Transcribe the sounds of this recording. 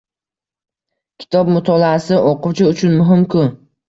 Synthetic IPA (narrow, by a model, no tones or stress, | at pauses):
kʲʰɪ̥t̪ʰɒb̚mʊt̪ʰɒlaːsɪʔɒqʰʊwt͡ʃʰaʊt͡ʃʰʊnmʊɦɪmkʰʊ